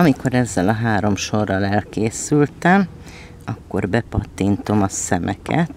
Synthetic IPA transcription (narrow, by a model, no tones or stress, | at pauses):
ɒmiko̞ɾɛzːɛlɒɦaːɾo̞mʃo̞rːɒlɛlkeːsylt̪ɛm | ɒkːo̞̰rbɛpɒt̪ːint̪o̞mɒsɛmʔɛ̰kɛ̰t̪